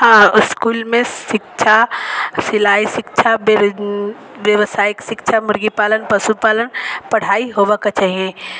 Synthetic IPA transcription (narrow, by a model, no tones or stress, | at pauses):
ɦãːɪskuːlmẽʃɪk̚t͡ʃʰasɪlaːiʃɪkt͡ʃʰab | ʋjəʋsaːjɪkʃɪkt͡ʃʰamʊɾɡipaːlənpɐsupaːlənpɐɽ̤aːiɦoːʋakat͡ʃaːɦiẽː